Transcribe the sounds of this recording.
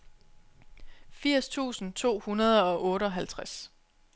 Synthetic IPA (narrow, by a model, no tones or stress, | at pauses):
fiɐ̰st͡sʰṵːsn̩t͡sʰo̝̰ːhunɐðˠɒ̽ʔɔ̽ːɾəɒ̽ɦælt͡sʰʁas